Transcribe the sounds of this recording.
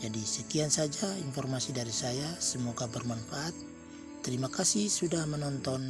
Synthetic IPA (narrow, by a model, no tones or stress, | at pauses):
d͡ʒadisɛkiansad͡ʒainfɔrmasidaɾisajasəmɔɡabərmanfaʔat̪̚ː | ɛɾimakasihsudahmɛnɔnt̪ɔn